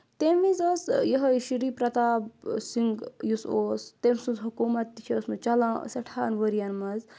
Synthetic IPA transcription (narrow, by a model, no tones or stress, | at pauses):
t̪emʋizəsjɐɦəʃiɾiːpɾɐt̪asiŋɡjusoːst̪emsuzɦukuːmɐt̪ːit͡ʃʰiːsmut͡ʃɐlãːsɐʈʰaːnʋəɾjanmɐz